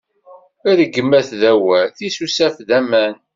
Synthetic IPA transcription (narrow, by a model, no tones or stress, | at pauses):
æðəɡːəmːæθðæwæθisusæfðæmæn